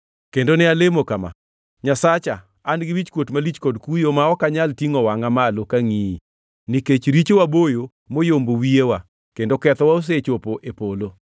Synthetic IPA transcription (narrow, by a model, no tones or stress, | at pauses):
kendonɪalemokama̰ | ɲasat͡ʃa | anɡɪwit͡ʃkwotmalit͡ʃkɔdkujomaɔkaɲaltiŋɔwaŋamalokaŋii | niket͡ʃɾit͡ʃowabojo | mojombowiewa | kendokɛt̪ɔwaos̬et͡ʃopoʔepolo